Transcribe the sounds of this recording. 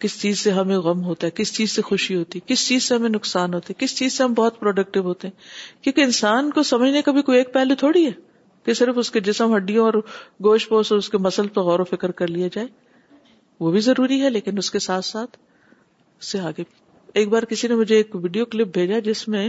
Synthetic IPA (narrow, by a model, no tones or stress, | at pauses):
kɪst͡ʃiːzseɦɐmẽɣɐmɦoːt̪aɦɛkɪst͡ʃiːzsexʊʃiɦoːt̪iɛkɪst͡ʃiːzseɦɐmẽnʊksaːnɦoːt̪eɦɛ̃kɪst͡ʃiːz̥seɦɐ̃mbɔːʊt̪̚pɾɔːɖək̚ʈɪbɦoːt̪eɦɛ̃ːkjõːkeɪnsaːnkosɐməd͡ʒʱnekɐbʱikoieːk̚pɛɦlet̪ʰoːɽiɦɛː | kesɪɾəfʊsked͡ʒɪsəmɦɐɖijõɔːɾɡoːʃpoːsɔʊskemɐsəlpɐɣɔːɾofɪkəɾkɐɾlijad͡ʒaːe | ʋobʱizɐɾuːɾiɦɛleːkɪnʊskesaːt̪ʰsaːt̪ʰ | ʊsːeaːke | eːk̚baːɾkɪsinemʊd͡ʒʱeeːkʋiːɖijoklɪp̚bʱeːd͡ʒad͡ʒɪsmẽ